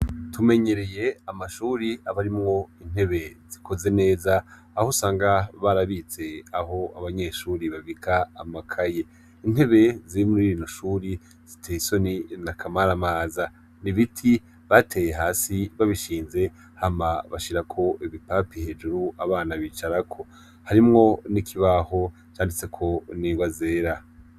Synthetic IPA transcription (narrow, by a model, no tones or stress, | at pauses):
tume̞ɲe̞ɾe̞je̞amaʃuːɾiaβaɾimŋo̞in̥he̞βe̞z̥ikʰo̞ze̞ne̞ːzaː | hosaːŋɡaβaɾaβit͡se̞aɦo̞aβaɲe̞ʃuːɾiβaβikʰaːmakʰaje | in̥he̞βe̞ziimuɾiɾiːnoʃuːɾi | z̥itʰeiso̞ninakʰamaɾamaːza | niβitʰi | βatʰe̞ːjeɦaːsiβaβiʃiːnze̞ | hamaβaʃiɾakʰo̞ʔiβipapihe̞d͡ʒuɾuaβaːnaβiːt͡ʃaɾakʰo̞ | haɾimŋo̞nikʰiβaho̞ | t͡ʃaːndit͡se̞kʰo̞niwaze̞ːɾa